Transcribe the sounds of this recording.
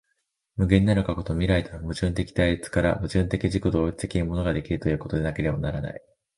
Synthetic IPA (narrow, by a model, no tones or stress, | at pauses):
mɯ̟ɡe̞ɲ̟ʲinaɾɯ̟kako̞t̪o̞mʲiɾait̪amɯ̟ʑɨ̃nt̪e̞kʲi̥d̪aiit͡sɨ̥kaɾa̰mɯ̟ʑɨ̃nt̪e̞kʲiʑikod̪o̞ːit͡si̥t̪e̞kʲiɲimo̞no̞ɡad̪e̞kʲiɾɯ̟t̪o̞jɯ̟ːko̞t̪o̞d̪e̞nake̞ɾe̞banaɾana̰i